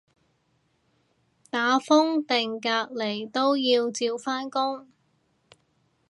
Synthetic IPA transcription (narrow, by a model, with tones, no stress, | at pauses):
t̪aː˨˥fʊ˥ŋt̪ɛ˨˩ŋkaː˧k̚le˨˩jt̪o˥wjiː˧wt͡siː˧wfaː˥nkʊ˥ŋ